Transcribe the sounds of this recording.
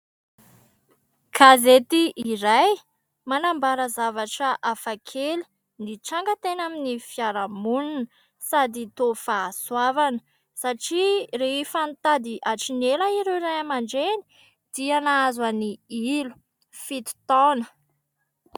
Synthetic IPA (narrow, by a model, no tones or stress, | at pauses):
kʰazet̪iʔiɾaj | manambaɾəzavaʈ͡ʂəʔafakʰeli̥ | niʈ͡ʂaŋɡət̪enaminifiaɾamununə | sad̪it̪ofaswavanə̥ | saʈ͡ʂireifant̪ad̪iʔaʈ͡ʂinelaiɾeiɾajamaɳɖ͡ʐeni̥ | d̪̥ianaazaniilu̥ | fit̪i̥t̪ɔnə̥